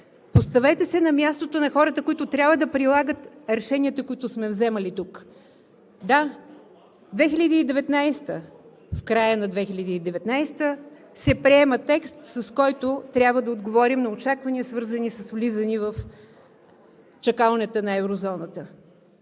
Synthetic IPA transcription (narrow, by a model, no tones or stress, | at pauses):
post̪ɐvɛt̪ɛsɛnɐmjast̪ot̪onɐxɔɾət̪əkoit̪ʊt̪ɾʲjabvəd̪ɐpɾilˠaɡət̪ɾɛʃɛniət̪ɐkʊit̪ʊsmɛvzɛməlit̪uk | d̪a | d̪vɛxiʎʲəd̪iːd̪ɛvɛt̪najst̪ə | fkɾajənɐd̪vɛxilʲəd̪iːd̪ɛvɛt̪najst̪ə | sɛpɾiɛmət̪ɛkst̪sɐskɔjt̪ʊt̪ɾʲjabvəd̪ɐod̪ɡovɔɾimnɐot͡ʃakvɐniəsvɤɾzənisɐsvlizənivəf | t͡ʃɐkalˠnɛt̪ənɐɛvɾozɔnət̪ə